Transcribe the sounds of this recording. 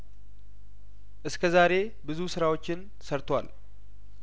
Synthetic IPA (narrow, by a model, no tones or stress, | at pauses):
ʔɨskʰəzaɾe̞ | bɨzusɨɾawo̞t͡ʃːɪn | səɾt̪ʰwa̰l